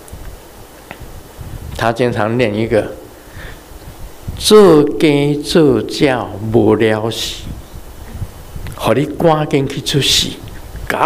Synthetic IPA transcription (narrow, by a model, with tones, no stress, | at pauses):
t̪ʰa˦t͡ɕi˧ŋt͡sʰa˨˦ŋljɛ˥˧˨ni˧˦ɡə˧˨ | t͡sɤ˥˧˨ke˦t͡sɤ˥˧t͡ɕja˥˨˩ʊbo˨˧˩lja˧˦ʊɕi̥˨˦ | hɔ˨˩ɾi˦kwã˦ki˧nkʰi˧t͡sʰu˦ɕḭ˨˦ka˨˦